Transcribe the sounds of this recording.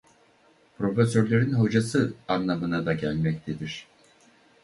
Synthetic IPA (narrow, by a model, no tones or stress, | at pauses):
pɾo̞fø̞søɾlʲeɾinɦo̞d͡ʒasɯanlˠamɯnad̪aɟælʲmɛc̚t̪ʰed̪iɾ̥